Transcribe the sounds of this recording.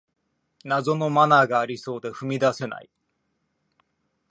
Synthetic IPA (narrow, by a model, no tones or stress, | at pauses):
nazo̞no̞manaɡaːɾʲiso̞ːd̪e̞ɸɯ̟mʲid̪ase̞na̰i